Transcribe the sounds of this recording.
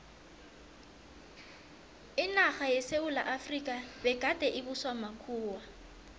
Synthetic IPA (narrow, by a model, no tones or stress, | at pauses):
ɪnaχajɛseʊla̰ʔafrikʼabɛkʼatʼɛʔɪbʊswamakʰuːwa